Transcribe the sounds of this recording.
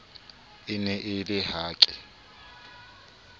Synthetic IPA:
ɪnɛʔɪlɪɦaːkʼɪ

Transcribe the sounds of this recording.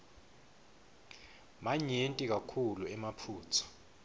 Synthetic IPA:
maɲentʼik̬akʰuluɛmapʰuːt͡sʰɔ̥

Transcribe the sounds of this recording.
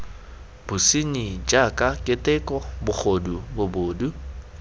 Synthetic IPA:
b̥usiɲid͡ʒakʼakʼɪtʼɛkʼɔbʊk͡xʰodubʊboːdu

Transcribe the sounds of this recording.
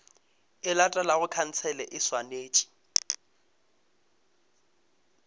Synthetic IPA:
ɪlatʼalaɣʊkʰan̩t͡sʰɛlɛʔɪswaneːt͡ʃʼi̥

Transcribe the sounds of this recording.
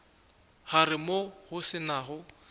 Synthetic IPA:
harɪmohʊsɪnaɦʊ

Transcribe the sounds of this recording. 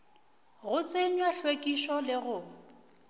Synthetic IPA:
ɣʊt͡sʼeɲwaɬwekʼiʃɔlɪɣʊ

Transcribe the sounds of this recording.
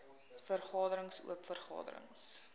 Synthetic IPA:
fərχɑːdəɾəŋsṵəpfərχɑ̰ːdə̰ɾə̰ŋs

